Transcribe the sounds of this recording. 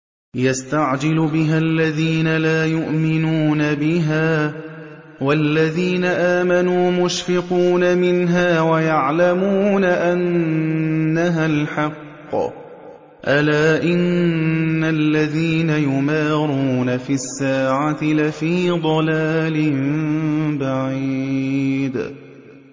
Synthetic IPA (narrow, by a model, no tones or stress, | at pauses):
jast̪aʕd͡ʒɪlbɪɦalːaðiːnalaːjʊʔmɪnuːnabɪɦaː | walːaðiːnaʔaːmanuːmʊʃfɪquːnamɪnɦaːwajaʕlamuːnaʔanː | aɦalħɑqː | ʔalaːʔɪnː | alːaðiːnajʊmaːɾuːnafiːasːaːʕat̪ɪlafiːd̪ˤɑlaːlɪmbaʕi | d̪